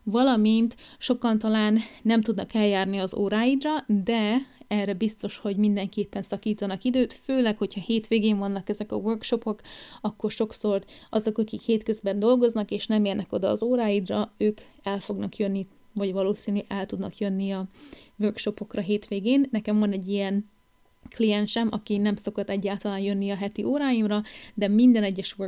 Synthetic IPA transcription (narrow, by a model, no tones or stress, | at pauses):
vɒlɒmint̪ʃo̞kɒnt̪ɒlaːnːɛmt̪ud̪nɒkɛljaːrniɒzo̰ːɾaːjid̪rɒd̪ɛɛrːɛbist̪o̞ʃho̞ɟmind̪ɛŋkeːpːɛnsɒkiːt̪ɒnɒkid̪øːt̪føːlɛkho̞cʰhɒheːt̪ʋeːɡeːɱvɒnːɒkɛzɛkɒ̰ʋørkʃo̞po̞kɒkːo̞rʃo̞kso̞rɒzo̞kɒkikheːt̪kø̞zbɛnd̪o̞lɡo̞znɒkeːʃnɛmeːrnɛko̞d̪ɒ̰ːzoːɾaːjid̪rɒøːk | ɛlfo̞ɡnɒkjønːi | vɒɟvɒloːsiːnyʔɛlt̪ud̪nɒkjønːiɒʋørkʃo̞po̞krɒɦeːt̪ʋeːɡeːnːɛkɛɱvɒnɛɟːijɛn | klijɛnʃɛmʔɒkinɛmso̞kɒt̪ɛɟːaːlt̪ɒlaːnjønːiɒɦɛt̪iʔoːɾaːjimrɒd̪ɛmind̪ɛnɛɟːɛʃʋø